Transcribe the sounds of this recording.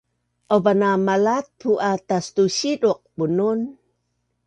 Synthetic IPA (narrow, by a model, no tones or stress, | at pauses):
ʔabanamalat̪̚puʔat̪ast̪uɕiduq̚bunun